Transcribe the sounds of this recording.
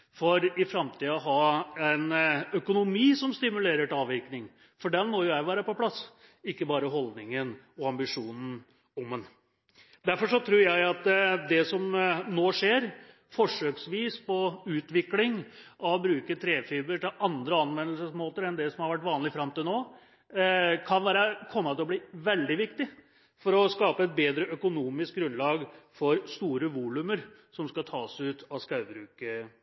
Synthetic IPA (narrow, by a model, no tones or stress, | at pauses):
fɔɾɪfɾɑmt̪ʰiːɔɦɑːɛnœkʊnʊmiːsɔmst̪ɪmʉleːɾəʈɑːʋɪknɪŋ | fɔɖɛnmɔːjʊjæɪʋæːɾəpɔpʰlɑs | ɪkːəbɑːɾəɦɔld̪nɪŋən | ɔɑmbɪʂuːnn̩ | ɔmən | d̪æɾfɔʂɔt̪ʰɾuːɾjæɪɑt̪d̪ɛsɔmnoːʂeːɾ | fɔʂøːksʋiːspɔʉːt̪ʋɪklɪŋɔbɾʉːkət̪ʰɾeːfiːbəʈɪlɑnd̪ɾəɑnʋɛnːlsəsmoːt̪əɾɛnd̪ɛsɔmhɑɾʋæʈ̬ːʋɑːnlɪfɾɑmːt̪ɪlnoː | kʰɑnʋæːɾəkʰɔmːət̪ʰɪlɔbliːʋɛld̪ɪʋɪkt̪ɪ | fɔɾɔskɑːpəɛt̪̚beːd̪ɾəʔœkʊnuːmɪsk̚ɡɾʉnlɑːɡfɔɾst̪uːɾəʋuːlʉməɾ | sɔmskɑt̪ʰɑːsʉːt̪ʰɑskɑʉbɾʉːkə